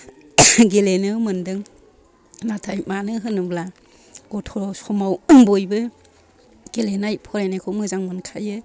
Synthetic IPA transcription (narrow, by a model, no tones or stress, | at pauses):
ɡelenɯmɯndɯŋ | natʰajmanɯɦɯnɯbla | ɡ̥ɔtʰɔsɔmawbɔjbɯ | ɡ̥elenajpʰɔɾanajkʰɔmɯzaŋmɯnkʰajɯ